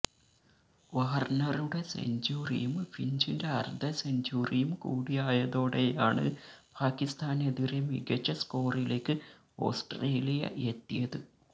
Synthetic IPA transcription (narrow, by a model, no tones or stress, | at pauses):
ʋɐːɐrnɐruɽe̞sḛɲd͡ʑuːrḭjumfiɲd͡ʑindeɐrd̪ʱɐseɲd͡ʒuːrijumkuːɽijaːjɐðo̞ːɽe̞jaːɳɨ̰ | pʰaːkːist̪aːneðiɾemḭɡɐt͡ɕːɐsko̞ːrile̞ːkːɨ | o̞̰ːsʈreːlijɐ̰ʔet̪ːijɐðɨ